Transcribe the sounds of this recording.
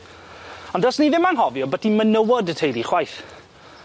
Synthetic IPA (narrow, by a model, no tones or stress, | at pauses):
ɔndɔsniðɪmanɦɔvjɔbətd̥ʰimənəwɔdətʰejɾiχwajθ